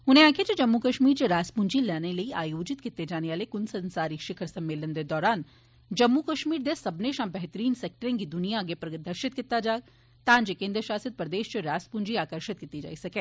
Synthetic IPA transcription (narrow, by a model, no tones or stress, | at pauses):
ʊnẽãːkʰet͡ʃed͡ʒɐmːukɐʃmiːɾt͡ʃeɾaːspund͡ʒilɛːnelɐiaːjoːd͡ʒɪt̪kɪt̪ːed͡ʒaːneʋaːlekʊnsɐ̃nsaːɾiʃɪkʰəɾsɐmːeːlənd̪ed̪ɔːɾaːn | d͡ʒɐmːukɐʃmiːɾd̪esɐbneʃãːbɛɦt̪əɾiːnsek̚ʈəɾẽːɡid̪ʊnijaɡepɾɐd̪ʱɐɾʃɪt̪̚kɪt̪ːad͡ʒaːɡ | t̪ãːnd͡ʒekẽːnd̪ɾəʃaːsəd̪̚pɾɐd̪eːʃt͡ʃeɾaːspund͡ʒiaːkəɾʃɪt̪̚kɪt̪id͡ʒa̰ːisɐkẽː